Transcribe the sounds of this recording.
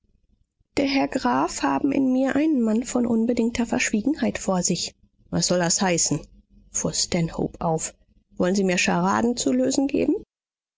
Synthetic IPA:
d̥eːɐɦɛɐɡʁaːfhaːbm̩ʔɪ̰nmiːɐʔaɪnənmanfɔnʔʊnbədɪŋk̚tʰɐfɛɐʃv̥iːɡŋ̩haɪtfoːɐzɪç | vasz̥ɔldashaɪsn̩ | fuːɐstɛnho̰ʊpʔaʊf | v̥ɔlənziːmiːɐʃaʁa̰ːdn̩t͡suløːzn̩ɡḛːbm̩

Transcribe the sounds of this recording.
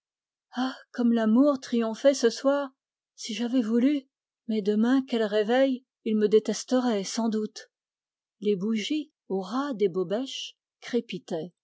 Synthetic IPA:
akɔmlamuʁt̪χijɔ̃fɛsəswaːʁ | siʒavɛvuly | mɛd̪əmɛ̃kʲɛlʁevɛj | ilməd̪et̪ɛst̪əʁɛsɑ̃d̪ut̪ | lebuʒi | oʁad̪ebobɛʃ | kχepit̪ɛ

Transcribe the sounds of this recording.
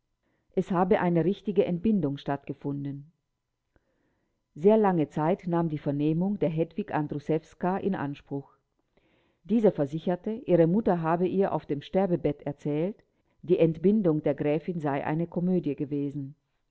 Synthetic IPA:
ʔɛshaːbəʔaɪnəʁɪçtɪɡəʔɛntb̥ɪndʊŋʃtatɡ̥əfʊndən̩ | zeːɐlaŋət͡saɪtnaːmdiːfɛɐneːmʊŋdeːɐɦɛdv̥iɡandʁusɛfskaʔɪ̰nʔa̰nʃpʁ̥ʊx | d̥iːzɐfɛɐzɪçɐtəʔiːʁəmʊtɐɦaːbəʔiːɐʔa̰ʊfd̥eːmʃtɛɐbəbɛtɛɐt͡sɛːlt | d̥iːʔɛntb̥ɪndʊŋdeːɐɡʁɛːfɪnzaɪʔa̰ɪnəkʰɔmøːdjəɡəveːzn̩

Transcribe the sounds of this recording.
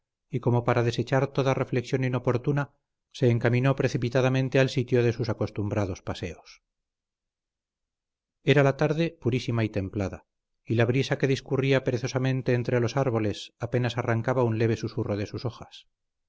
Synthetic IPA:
iko̞mo̞paɾaðe̞se̞t͡ʃaɾt̪o̞ðare̞fle̞ksjonino̞po̞ɾt̪una | se̞ːŋkamĩno̞pɾe̞θipit̪aðamẽ̞nt̪e̞alsit̪jo̞ðe̞susako̞st̪umbɾaðo̞spaseo̞s | e̞ɾalat̪aɾðe̞puɾisimait̪e̞mplaða̰ | ilaβɾisake̞ðiskuriapeɾeθosamẽ̞nt̪e̞ːnt̪ɾe̞lo̞saɾβo̞le̞sape̞nasaraŋkaβaunle̞β̞e̞susuroðe̞suso̞xas

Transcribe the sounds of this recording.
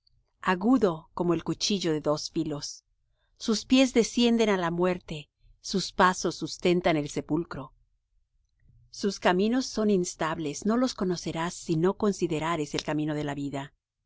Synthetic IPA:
aɣuðo̞ko̞mo̞elkut͡ʃiʝo̞ðe̞ðo̞sfilo̞sː | uspje̞zðe̞sje̞nd̪e̞nalamwe̞ɾt̪e̞ | suspaso̞sːust̪e̞nt̪ane̞lse̞pulkɾo̞ | suskamĩno̞sːo̞ninst̪aβle̞sno̞lo̞sko̞no̞se̞ɾasːino̞ko̞nsiðe̞ɾaɾe̞se̞lkamĩno̞ð̞e̞laβiða

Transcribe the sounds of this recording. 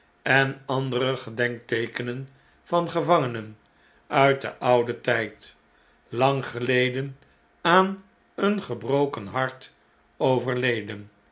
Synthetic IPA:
ɛnɑndərəχədɛŋk̚tejkənən | v̥ɑnχəvɑŋənən | œɥt̚də̰ʔɑwdətɛjt | lɑŋχəlejdən | aːn | ənχəbrowkənɦɑɹt | owvəɹlejdən

